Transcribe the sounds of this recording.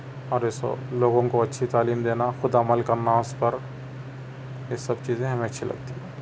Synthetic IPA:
ɔːɾɪso̰loːɡõkoɐtːʃʰit̪aːliːmd̪eːnaxʊd̪ɐməlkɐɾnaʊspɐɾ | jesɐbt͡ʃiːzẽɦɐmẽɐtːʃʰilɐ̰ɡt̪iɦɛ̃ː

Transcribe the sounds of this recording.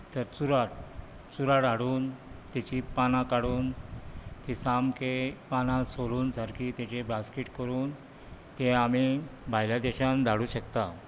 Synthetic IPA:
t̪əɾt͡suɾaʈ | t͡suɾaɽaɽuːnt̪et͡ɕipanãkaɽuːn | t̪isamkepanãsoluːnd͡zʱaɾkʰiːt̪et͡ɕebaskiʈkəɾuːn | t̪eamibʱajljad̪ɛɕãnd̪ʱaɽuːɕəkt̪a

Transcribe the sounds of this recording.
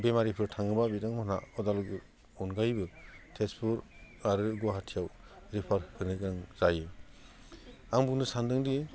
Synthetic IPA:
bemaɾipʰɯɾtʰaŋɯbabidaŋmɔna̰ɔdalɡɯ | ɔnɡajbɯtʰespʰuɾaɾɯɡɔɦatʰijaw | ɾipʰaɾhɯnɯkaŋz̥ajɯ | aŋbuŋnɯsandɯŋdi

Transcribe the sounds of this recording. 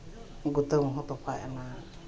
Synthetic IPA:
ɡut̪əŋɦɔt̪ɔpʰajana

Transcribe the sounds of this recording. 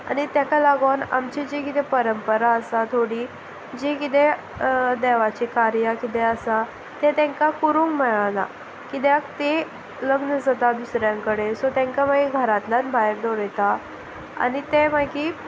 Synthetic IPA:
a̰ñit̪jakalaɡona̰mt͡ɕid͡ʑekit̪epəɾəmpəɾaəsat̪ʰoɽi | d͡ʑekit̪e | d̪ɛʋat͡ɕikaɾjakit̪eəsa | t̪et̪ɛ̃ŋkakuɾuːŋkməɭana̰ | kit̪jakt̪e | ləɡnəd͡zat̪ad̪usɾjãŋkəɽesɔt̪ɛ̃ŋkamaɡiɡʱəɾat̪lanbʱaɦeɾd̪ɔɾjɛt̪a | a̰nit̪emaɡiː

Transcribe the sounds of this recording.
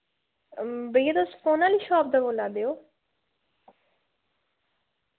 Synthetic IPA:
bəjat̪osfoːnaːliːʃɔːp̚d̪aboːlaːd̪eːoː

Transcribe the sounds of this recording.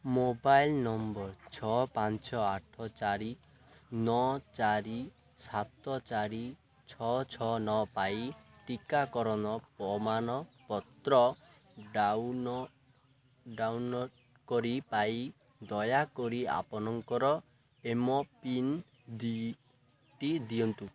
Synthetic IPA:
mobajlnɔmbɔɾt͡ʃʰɔpant͡ʃɔaʈʰɔt͡ʃaɾi | nɔt͡ʃaɾi | sat̪ɔt͡ʃaɾi | t͡ʃʰɔt͡ʃʰɔnɔpaiʈikakɔɾɔnɔpɔmanɔpɔt̪ɾɔ | ɖawnɔ | ɖawnɔ | kɔɾipai | d̪ɔjakɔɾia̰pɔnɔŋkɔɾɔ | emɔpin | d̪i | ʈid̪iɔnt̪u

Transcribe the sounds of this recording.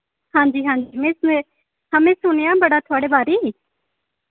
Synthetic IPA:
hãːɲd͡ʒiːɦãːɲd͡ʒimɛ̃ːse | həmẽːsʊñejãbɐɽat̪ʰʊaːɽebaːɾi

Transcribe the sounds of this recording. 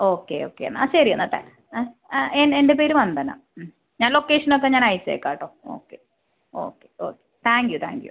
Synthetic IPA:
oːkːḛoːkːejɐ̰nːɐɕɐrijɐnːɐt̪ːa̰ | enendepeːɾumʋɐnd̪ɐna̰ | ɲaːnlo̞kːe̞ːʂɐnok̬ːeɲaːnɐjseːkːaːʈːoːo̰ːkːe | o̰ːkːeo̰ːkːe̥t̪ʰaːŋkjut̪ʰa̰ːŋkjṵ

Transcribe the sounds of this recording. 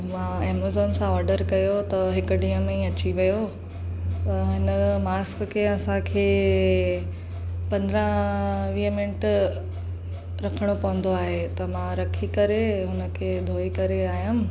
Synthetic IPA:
mãːeːmazoːnsãɔːɾɖəɾkɐjot̪ɐɦɪkʊ̆ɖiːəmẽɐt͡ɕiʋɐjo | t̪ɐɦɪnəmaːskkʰeːɐsãkʰeː | pɐ̃nd̪ɾə̃ʋiːəmɪ̃ʈ | ɾɐkʰəɽ̃opɐʋə̃nd̪oaːɦet̪ɐmãɾɐkʰikɐɾeɦʊnə̆kʰed̪ʱoːikɐɾeaːɦijãm̆

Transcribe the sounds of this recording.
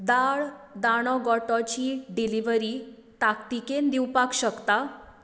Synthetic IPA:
d̪aɭd̪aɽ̃ɔɡɔʈɔt͡ɕiːɖiliʋəɾiː | t̪akt̪ikend̪iwpakɕəkt̪a

